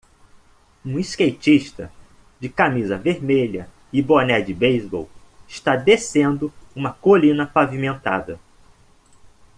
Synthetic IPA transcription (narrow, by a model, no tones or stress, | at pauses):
ũiskejt͡ʃiʃt̪ɐ̰ | d͡ʒɪkamizɐveɾmeʎɐ | ɪbonɛd͡ʒɪbejzbo̰wɪʃt̪ad̪esẽnd̪ʊũmɐkolĩnɐpavimẽnt̪a̰d̪ɐ